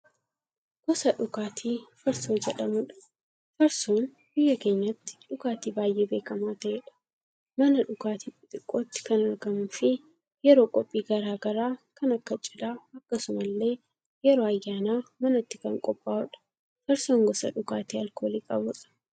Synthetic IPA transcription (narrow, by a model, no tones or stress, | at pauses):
ɡ̥ɔsɐᶑʊɡaːt̪ʰiːfɐɾsoːd͡ʒɛᶑɐmʊᶑɐ̥ | fɐɾsoːn | bɪjːɐke̞ːɲːɐt̪ːɪ̥ᶑʊɡaːt̪iːbaːjʔeːbe̞ːkɐmaːt̪ɐɛᶑɐ̥ | mɐnɐᶑʊɡaːt̪iːpʼɪt̪ʼɪkʼːoːt̪ːɪ̥kɐnɐɾɡɐmʊnfɪ | jɛɾo̞ːkʼɔpʼːiːɡɐɾaːɡɐɾaːkɐnɐkːɐt͡ʃʼɪlaːɐkːɐsʊmɐlːe̞ː | jɛɾoːɐjːaːnaːmɐnɐt̪ːɪkɐŋkʼɔpʼːaːʊᶑɐ̥ | fɐɾsoːŋɡɔsɐ̰ᶑʊkaːt̪iːɐlkoːliːkʼɐbʊᶑɐ̥